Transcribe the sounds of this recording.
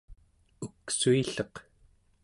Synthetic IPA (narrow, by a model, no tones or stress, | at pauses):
uksuiɬʌq